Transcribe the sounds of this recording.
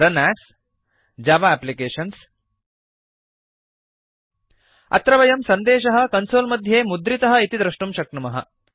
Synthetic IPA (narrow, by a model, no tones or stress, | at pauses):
ɾɐnæːs | d͡ʒaːʋaːplikeːʃɐns | ɐ̰t̪ɾɐʋɐjɐmsɐnd̪eːʃɐɦɐ̆kɐnsoːlmɐd̪ʱjeːmud̪ɾit̪ɐɦɐ̆it̪id̪ɾɐʂʈumʃɐk̚ɳɐmɐɦɐ̰